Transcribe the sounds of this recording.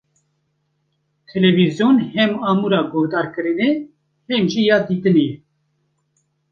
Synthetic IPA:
t̪ʰɛlɛvizjoːnhɛmɑːmuɾɑːɡohd̪ɑːɾkɨɾɨne | hɛmʒijɑːd̪iːt̪ɨnejɛ

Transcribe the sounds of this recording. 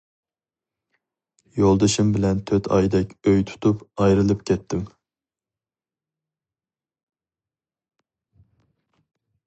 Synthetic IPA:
jolˠd̪ɨʃɨmbɪlɛnt̪ʰøt̪ʰɑ̰jd̪ɛkʲøjt̪ʰu̥t̪ʰupɑjɾɨlˠɨpkʲʰɛt̪ʰːɪm

